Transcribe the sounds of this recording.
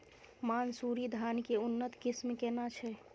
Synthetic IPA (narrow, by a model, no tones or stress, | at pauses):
mansuɾid̪ʱankeunːət̪kɪsmkenat͡ʃʰɛ